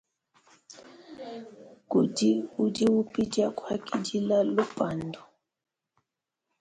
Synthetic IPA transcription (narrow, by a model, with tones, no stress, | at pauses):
ku˨di˦u˦di˦wu˦pi˦d͡ʒa˦kwa˦ki˦d͡ʒi˦la˦lu˦pa˨ndu˨